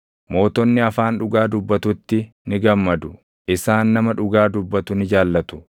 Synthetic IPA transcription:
mo̞ːt̪ɔnːɪɐfaːnᶑʊɡaːd̪ʊbːɐt̪ʊt̪ːɪ | nɪɡɐmːɐd̪ʊ | ɪsaːnːɐmɐᶑʊɡaːd̪ʊbːɐt̪ʊnɪd͡ʒaːlːɐt̪ʊ̥

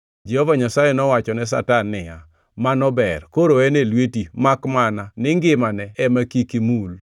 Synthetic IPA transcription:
d͡ʒɛhɔvaɲasajenɔwat͡ʃɔnɛs̬a̰tanːɪja | manɔbɛrkoɾoɛnelwetimakmananɪŋɡɪmanɛɛmakikimul

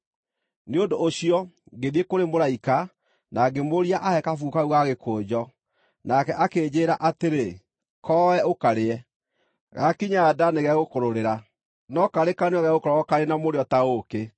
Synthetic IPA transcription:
neondoːɕiɔ | ɡeðiekoɾemoɾaika | naɡemoɾiaʔahɛkafukauɣaɣekʰoːd͡ʑɔ | nakɛʔakeːd͡ʑeːɾaʔateɾe | kʰɔɛokaɾeɛ | ɣakiɲaːdaneɣɛɣokoɾoɾeɾa | nɔkaɾekaneɔɣɛɣokɔɾɔɔkaɾenamoɾeɔtaoke

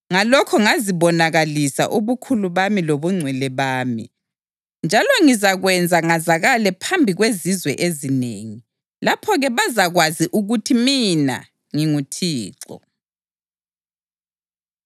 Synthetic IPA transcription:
ŋalɔkʰɔŋaziβɔnaɣalisa̰ʔuβukʰuluβamiloβuŋ͡ǀʱwɛlɛβaːmḭ | nd͡ʒʱalɔŋizaɣwɛnd͡zʱaŋazaɣalɛpʰambʱiɣwezizwɛ̰ʔezinḛːŋi | lapʰɔɣɛβazaɣwaziʔuɣutʰimina̰ | ŋiŋutʰiːǀɔ̰

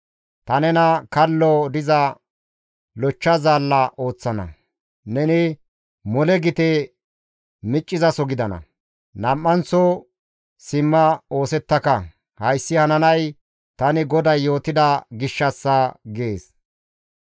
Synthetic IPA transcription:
t̪ɐnɛnɐkɐlːɔd̪ɪzɐ | lɔt͡ʃːɐzaːlːɐʔo̞ːt͡sːɐnɐ̰ | nɛnɪ | mɔlɛɡɪt̪ɛ | mɪt͡ʃʼːɪzɐsɔɡɪd̪ɐnɐ̰ | nɐmːɐnt͡sɔ | sɪmːɐo̞ːsɛt̪ːɐkɐ | hɐjsːɪhɐnɐnɐj | t̪ɐnɪɡɔd̪ɐjːo̞ːt̪ɪd̪ɐɡɪʃːɐsːɐɡeːs

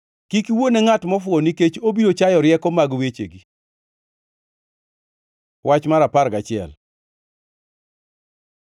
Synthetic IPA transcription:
kikiwonɛŋatmɔfʊoniket͡ʃobiɾot͡ʃajɔɾjɛkɔmaɡwet͡ʃḛɡi | wat͡ʃmaɾapaɾɡat͡ʃɪɛ̰l

